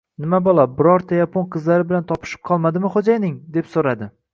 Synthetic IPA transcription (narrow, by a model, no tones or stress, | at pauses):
nɪmabɒlˠabɪɾɒɾt̪ʰajapʰonqʰɨzlaɾɪbɪlant̪ʰɒpʰɪ̥ʃɪp̚qʰɒlˠmad̪ɪmɪχod͡ʒajnɪŋd̪e̞psoɾad̪ɪ